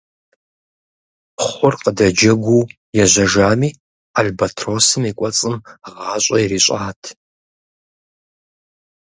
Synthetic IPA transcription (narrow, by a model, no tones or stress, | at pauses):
χʷʊrqədɐd͡ʒɐɡʷu | jɛʑʷɐʒaːmiː | albatʰroːsɨmiːkʷʼɔt͡sʼɨmʁaːɕʷʼɐjriːɕʷʼaːtʰ